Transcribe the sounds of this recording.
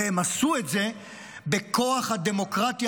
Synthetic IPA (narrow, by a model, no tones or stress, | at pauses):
emasuet̪ze̞ | be̞kʰo̞aχhad̪e̞mo̞kʁat̪i